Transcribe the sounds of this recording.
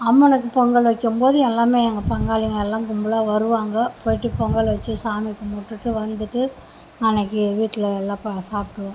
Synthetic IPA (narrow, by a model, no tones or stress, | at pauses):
ɐmːɐnɐkːɯpɔŋɡɐɭʋɐkːɯmboːðɯɛlːaːmeːɛŋɡɐpɐŋɡaːlɪŋɡɐɛlːãːkʊmbɐlaːʋɐɾɯʋaːŋɡɐpoːjɪʈːɯpɔŋɡɐɭʋɐt͡ʃːɯsaːmɪkːɯmoʈːɯʈːɯʋɐnd̪ɯʈːɯ | nɐnɐkːɯʋiːʈːɪlɐɛlːãːpsaːpʈːɯʋãː